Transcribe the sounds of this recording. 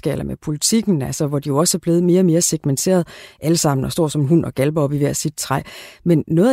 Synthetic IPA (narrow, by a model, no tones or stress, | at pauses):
ɡ̥ɛ̰ːlɐmepʰo̝lit͡sʰiɡ̥n̩ælsɐʋɒd̥ijo̝ɒ̽səæɐb̥le̝ːð̩ˠme̝ːɐɒ̽me̝ːɐseɡ̥ment͡sʰe̝̰ːɐð̞ˠʔæləsɑ̈m̰n̩ɒsd̥ɒ̰ːsɒ̽mɦun̰ɒ̽ɡ̥ælb̥ɐɒ̽b̥iʋæɐ̰sid̥̚t͡sʰʁɑɪmenːɔ̽ː